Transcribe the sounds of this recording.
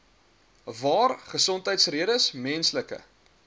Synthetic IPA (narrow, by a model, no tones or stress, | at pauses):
vɑːrχəsɔntɦəjtsriəɾəsmɛnsləkə̰